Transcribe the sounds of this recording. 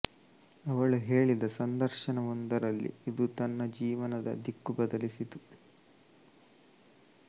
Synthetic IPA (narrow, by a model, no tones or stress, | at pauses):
ɐʋɐɭuɦeːɭid̪ɐsɐnd̪ɐɾʃɐnɐond̪ɐɾɐlːḭːd̪ut̪ɐnːɐd͡ʒiːʋɐnɐd̪ɐ̰d̪ikːubɐd̪ɐlisit̪u